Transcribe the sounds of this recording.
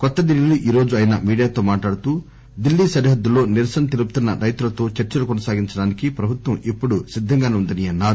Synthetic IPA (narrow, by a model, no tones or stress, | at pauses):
kɔt̪ːɐd̪ilːiluʔiːɾo̞ːd͡ʒuɐjɐnɐ̰miːɽijaːt̪oːmaːʈlaːɽt̪uː | d̪ilːiːsɐɾiɦɐd̪ːulo̞ːniɾsɐnɐt̪eluput̪unːɐɾɐjt̪ulɐt̪o̞ːt͡ʃɐɾt͡ʃɐlukɔnɐsaːɡiɲt͡ʃɐɽaːnikipɾɐbʱut̪wʋɐmipːuɽusid̪ʱːɐŋɡaːneund̪ɐniɐnːaːɾu